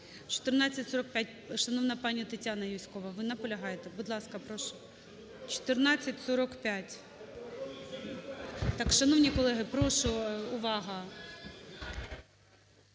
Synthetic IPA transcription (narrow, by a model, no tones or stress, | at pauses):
t͡ʃɔ̥t̪ɪrnɑt͡sʲːɐtʲsɔɾɔkpʲat̚ʲʃɐnɔwnɐpɑnʲːɐt̪ɐtʲanɐjʊsʲkɔʋɐʋɪnɐpɔlʲɐɦɑjet̪ɛbʊd̪lˠɑskɐpɾɔʃʊ | t͡ʃɔ̥t̪ɪrnɑt͡sʲːɐtʲsɔɾɔkpʲatʲ | t̪ɑkʃɐnɔwnʲikɔlˠɛɦɪpɾɔʃʊʊʋɑɦɐ